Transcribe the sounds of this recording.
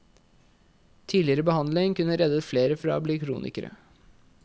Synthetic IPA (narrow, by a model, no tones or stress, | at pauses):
t̪ʰiːlɪəɾəbəhɑnd̪lɪŋkʉnːəɾɛd̪ət̪fleːɾəfɔɾɑ̰o̰ːbliːkʰɾṵːnʔɪ̰kəɾə̰